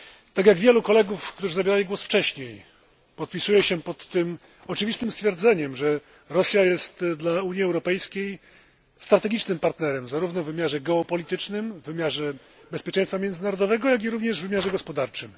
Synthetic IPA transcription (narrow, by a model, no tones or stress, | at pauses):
t̪aɡjaɡvʲjɛlukɔlɛɡufkt̪uʐɘzabʲeɾalʲiɡwɔsft͡ʂɛɕɲej | pɔt̪̚pʲisujɛɕɛpɔt̪ːɘm | ɔt͡ʂɘvʲist̪ɘmst̪fʲjɛɾd̪zɛɲɛmʐɛ | ɾɔsʲjajɛst̪d̪lauɲiɛwɾɔpɛjskʲej | st̪ɾat̪ɛɡʲit͡ʂnɘmpaɾt̪nɛɾɛmzaɾuvnɔvɘmʲjaʐɛɡɛɔpɔlʲit̪ɘt͡ʂnɘmvːɘmʲjaʐɛ | bɛspʲjɛt͡ʂɛj̃st̪famjɛnd̪ɘnaɾɔd̪ɔvɛɡɔjaɡʲiɾuvɲɛʐvɘmʲjaʐɛɡɔspɔd̪aɾt͡ʂɘm